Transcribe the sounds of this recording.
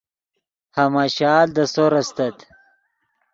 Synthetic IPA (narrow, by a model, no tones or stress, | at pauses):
hɐmaɕaːld̪ɐsoɾɐst̪ɐt̪